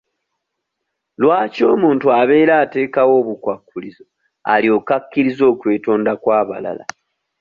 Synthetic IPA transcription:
lwaːco̞ːmuːntuaβe̞ːɾaːte̞ːkawo̞ːβukwakːulizo̞ | a̰lio̞ːkakːiɾizo̞ːkwe̞ːtoːndakwaːβa̰la̰la̰

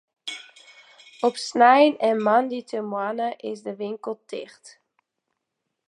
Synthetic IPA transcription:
ɔpsnɛjnɛnmɑnditəmwɑnəʔɪsdəʋɪŋkəlˠtɪ̰χt

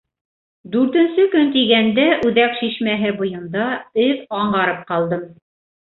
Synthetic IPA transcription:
d̪ʉɾt̪ɘ̆nsɘkɵnt̪iɡænd̪æʔʉðækʃiʃmæɦɘbujɤ̆nd̪ɑɘðɑɴɢɑɾɤp̚qɑlˠd̪ɤm

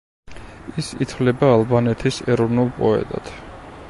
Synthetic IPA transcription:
isit̪ʰvlɛbaːlˠbanɛt̪ʰisɛɾɔvnulˠpʼɔɛ̰t̪ʼa̰t̪ʰ

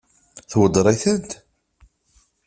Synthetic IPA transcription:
θwəd̪ɾˤæθəd̪

